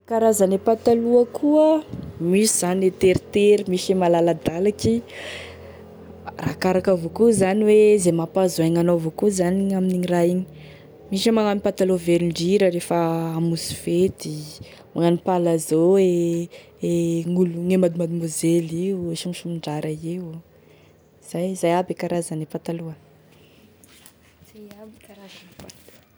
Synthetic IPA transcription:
kaɾazanepat̪aluəkʰuəmiʃiz̥anet̪eɾit̪eɾimiʃemalalad̪alaki | ra̰kaɾakavokuzaniwezemapazoaŋanovokuzaniaminiŋiraiɲi̥ | miʃamaŋanipat̪aloveɾiɳɖ͡ʐiɾəɾefəamusu̥fet̪i | maŋanipalazoe | eŋuluŋemad̪imad̪imozeliueʃumiʃumiɳɖ͡ʐaɾaew | z̥ajzajabekaɾazanepat̪aluə | zajabikaɾazanpat̪

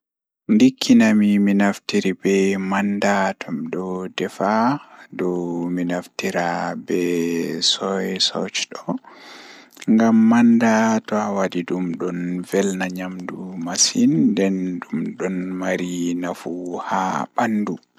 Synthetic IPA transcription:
ndikʰːinamiminaftiɾibɛmandatʰɔmdɔdɛfadɔminaftiɾabɛsɔjɛsɔ̰t͡ʃɗɔ | ŋɡamːandatɔawadidumɗɔnvɛlnaɲamdumasindɛnɗumɗɔnmaɾinafuha̰ɓandu

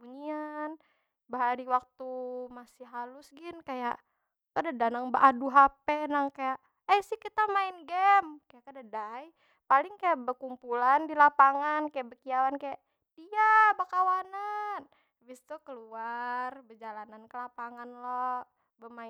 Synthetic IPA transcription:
buɲian | bəɦaɾiwak̚t̪umasɪɦalʊsɡɪnkaja̰ʔ | kadadanaŋbəʔaduɦapɛnaŋkajaʔ | əsɪhkit̪amaɪnɡɛmkajaʔkadadaj | palɪŋkajaʔbərkumpulandilapaŋankajaʔbərkiawankajaʔ | d̥iabakawanan | bist̪ukəluarbərd͡ʒalanankəlapaŋanlɔ | bəma

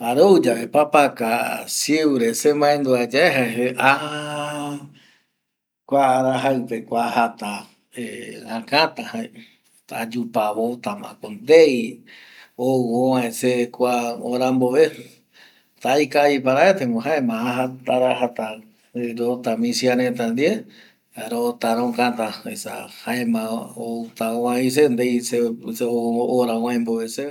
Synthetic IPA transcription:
aɾod͡ʒaβepapakasiwɾesemãẽnd̪uad͡ʒaeɦaeɦeʔaha | kʷaːɾaɦaɨpekʷahat̪a | eãkãt̪ãhae | t̪a̰d͡ʒupaβot̪amã̰kond̪ej | oõʋãesekʷaoɾamboβe | t̪ajkaipaɾaet̪eŋoɦaemãaɦat̪aɾaɦat̪a | ɾot̪amĩsiaɾet̪̬and̪ie | aɾot̪aɾõkãt̪aesa̰haemãot̪aowãĩs̬end̪ejseseooɾawãẽmboβese

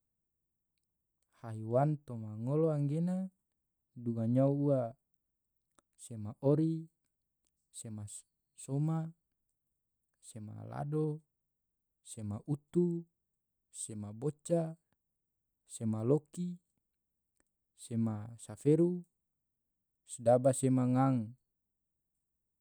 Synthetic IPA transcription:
haiwant̪omaŋoloaŋɡena | duɡaɲauua | semaʔoɾi | sema | soma | sema̰la̰do | semaʔut̪u | semabot͡ʃa | semaloki | semasafeɾu | sdabasemaŋaŋ

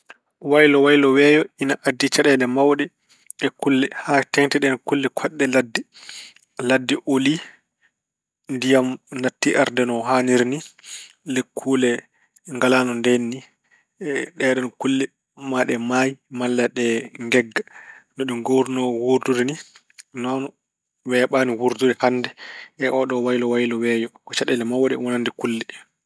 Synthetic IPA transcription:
wajlɔwajlɔwɛjɔinaʔadːit͡ʃaɗɛlɛmawɗɛ | ʔɛkulːɛhatɛŋtɛɗɛnɔkulːɛkʰaɗːɛladːi | ladːɛʔoli | ndijamnatːiʔaɾdɛnɔɦaniɾni | lekʰːuːlɛ | ŋɡalanɔndenːi | ɗɛɗɔnɔkulːɛ | maɗɛmajimalːaɗɛŋɡɛɡːanɔɗuɡoɾnɔwuɾduɾini | nɔn | wɛɓaːniwuɾduɾɛhanːdɛʔɛʔɔɗɔwajlɔwajlɔwɛːjɔkɔt͡ʃaɗɛlɛmawaɗɛwɔnandikulːɛ

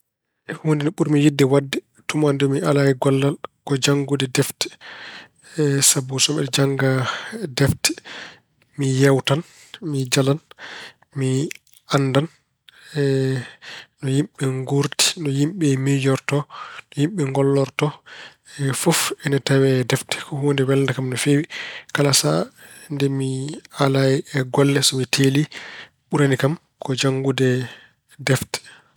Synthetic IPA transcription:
wondinɔɓuɾmijidːɛwadːɛ | tumandumiʔalaɛɡɔlːalkɔd͡ʒaŋɡudɛdɛftɛ̥ | sabusɔɛd͡ʒaŋɡadɛftɛ̥ | mijawtan | mid͡ʒalan | mi | andan | nɔjimɓɛŋɡuɾti̥nɔjimɓɛmijɔɾtɔnɔjimɓɛŋɡɔlːɔɾtɔ | ɛfɔfɛnɛtawɛdɛftɛ̥kɔhoːndɛwɛldakamnɔfewikalasa̰ndɛmialajɛɡɔlːɛsɔmitʰeli | ɓuɾanikam | kɔd͡ʒaŋɡudɛ | dɛftɛ̥

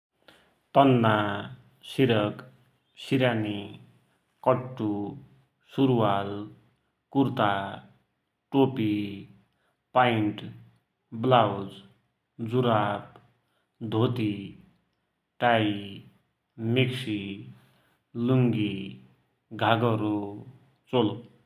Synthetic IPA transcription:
t̪ʌnːa | siɾʌk | siɾani | kʌʈːu | suɾwal | kuɾt̪a | ʈopi | paiɳʈ | blawd͡z | d͡zuɾap̚ | d̪ʱot̪i | ʈaj | meksi | luŋɡi | ɡʱaɡʌɾo | t͡solo

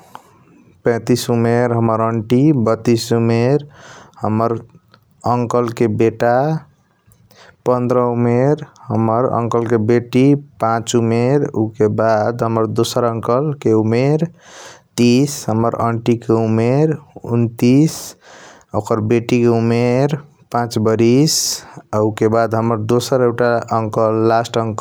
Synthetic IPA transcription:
pɛ̃t̪isumeɾɦəməɾəɳʈibət̪ːisumeɾhəməɾ | əŋkəlkebeʈa | pə̃nd̪ɾəumeɾhəməɾə̰ŋkəlkebeʈipãt͡ʃumeɾṵkebad̪ɦəməɾd̪osəɾəŋkəlkeumeɾt̪isɦəməɾə̰ɳʈikeumeɾṵnt̪is | okəɾbeʈikeumeɾ | pãt͡ʃbəɾisaukebad̪ɦəməɾd̪osəɾekʈaəŋkəlːasʈəŋk

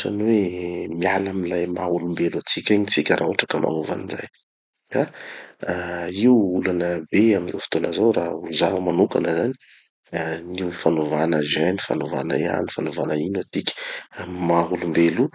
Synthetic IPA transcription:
sa̰nwemialamilajmaɦulumbelat͡sikʲaɲit͡sikʲəɾʔa̰uʈ͡ʂakəmʔa̰nuva̰niza̰j | ka | iulanəbeaminowfi̥t̪onəzawɾauzaumanukanəzani̥ | niwifanovanəzajnifanova̰nə̰ea̰nifanovanəinat̪ikʲi̥maɦulumbelu

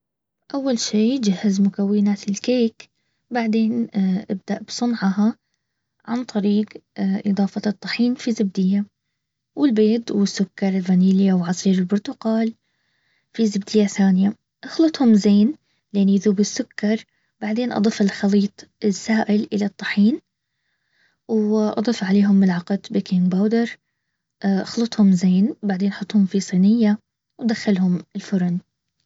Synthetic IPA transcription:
ʔawːalʃiːd͡ʒahːazmʊkawːɪnaːt̪ɪlkeːk | baʕd̪eːnʔɪb̚d̪aʔbsˤʊnʕaha | ʕa̰nt̪ˤɑɾiːqʔɨd̪ˤɑːfɑt̪ˤːɑħiːnfizɪbd̪ɪjːa | wɪlbeːt̪ˤwɪsːʊkːɑɾˤɪlɣaniːlɪjawʕɑsˤiːɾɪlbʊɾt̪ʊqɑːl | fizɪbd̪ɪjːaθaːnja | ʔɑxlɨt̪ˤhʊmzeːn | lenʔɪðuːbɪsːʊkːɑɾˤ | baʕd̪eːnʔɑ̰d̪ˤɨfɪlxɑliːt̪ˤɪsːaːʔɪlʔɪlat̪ˤːɑħiːn | wʔɑ̰d̪ˤɨfʕaleːɦʊmːɪlʕɑqɑd̪bikʰimbaːwd̪ɪɾˤ | ʔʔɑxlɨt̪ˤhʊmzeːnbaʕd̪eːnʔɑħʊt̪ˤːhʊmfisˤiːnɪjːa | wd̪axːalhʊmɪlfʊɾˤʊn

